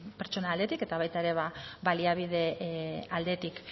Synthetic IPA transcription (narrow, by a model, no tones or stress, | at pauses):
pe̞ɾt͡ʃo̞naːld̪e̞t̪ike̞t̪aβajt̪aeɾe̞βaβaliaβ̞ið̞e̞ald̪e̞t̪ik